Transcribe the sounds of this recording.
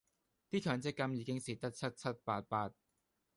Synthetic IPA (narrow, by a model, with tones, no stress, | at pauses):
t̪iː˥kʰœː˨˧ŋt͡sɪ˥kːɐ˧˥mjiː˨˧kɪ˥ŋsiː˧˩t̪ɐ˥k̚t͡sʰɐ˦˥t̚t͡sʰɐ˦˥t̚paː˧t̚paː˧t̚